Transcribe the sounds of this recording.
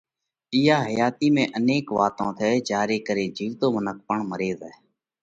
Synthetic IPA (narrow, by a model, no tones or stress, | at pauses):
ɪːaːɦəjaːt̪iːmẽːʔəneːkʋaːt̪õːt̪ʰeːd͡ʒaːɾeːkəɾeːd͡ʒiːʋt̪oːmənək̚ʰpəɳməɾeːzɛː